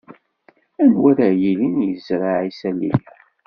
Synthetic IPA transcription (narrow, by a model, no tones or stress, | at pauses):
ænwæɾajilinjəzɾˤaʕisælḭjæ